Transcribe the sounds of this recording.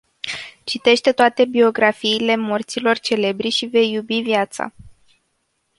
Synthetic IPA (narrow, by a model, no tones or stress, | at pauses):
t͡ʃit̪e̞ʃt̪e̞t̪oat̪e̞bio̞ɡɾafiːle̞mo̞rt̪silo̞rt͡ʃe̞le̞bɾiʃive̞jːubivjat̪sa̰